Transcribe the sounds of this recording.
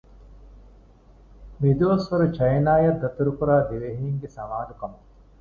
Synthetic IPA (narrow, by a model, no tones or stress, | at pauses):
mid̪uʋɐsʋɐɾut͡ʃɐjnaːjɐd̪ɐt̪uɾukuɾaːd̪iʋeɦiːŋɡesɐmaːlukɐmu